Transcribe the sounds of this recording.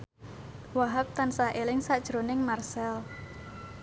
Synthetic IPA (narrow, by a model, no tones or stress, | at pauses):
waɦap̚t̪ansaʔelɪŋsad̥ʒ̥ɾonɪŋmarsɛl